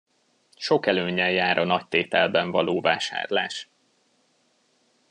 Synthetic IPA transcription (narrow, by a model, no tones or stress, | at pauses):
ʃo̞kɛløːɲɛjjaːɾʔɒnɒct̪eːt̪ɛlbɛɱvɒ̰loːva̰ːʃa̰ːrla̰ːʃ